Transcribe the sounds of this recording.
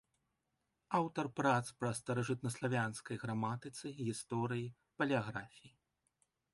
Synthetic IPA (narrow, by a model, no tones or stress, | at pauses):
awt̪ɐrpɾat̪spɾɐst̪ɐɾɐʐɨt̪̚nɐslˠavʲanskɐjɣɾamat̪ɨt̪sɨɣʲist̪ɔɾɨji | pɐlʲiaɣɾafʲiji